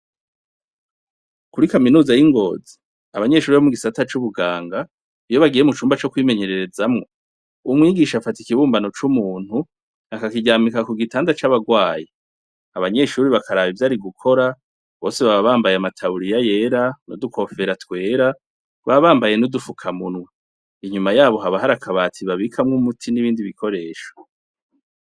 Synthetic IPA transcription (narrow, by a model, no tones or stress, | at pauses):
kuɾikaminuːzajiŋɡo̞ːzi | aβaɲe̞ʃuːɾiβomuɡisatat͡ʃuβuɡaːŋɡa | ijo̞βaɡije̞mut͡ʃuːmbat͡ʃo̞kwiːme̞ɲe̞ɾe̞ɾe̞zamŋo̞ | umŋiːɡiʃafati̥kiβuːmbano̞t͡ʃumuːn̥hu | akakiɟaːmikakuɡitaːndat͡ʃaβaɡwaːje | aβaɲe̞ʃuːɾiβakʰaɾaːβivjaːɾiɡukʰo̞ɾa | βo̞ːse̞βaβaβaːmbajeamatʰaβuɾijaje̞ːɾano̰duko̞fe̞ɾatwe̞ːɾa | βaβaːmbaje̞nudufukʰamunwa | iɲumajaːβo̞ɦaβaɦaɾakʰaβatʰiβaβikʰamŋumutʰiniβiːndiβikʰo̞ɾe̞ːʃo̥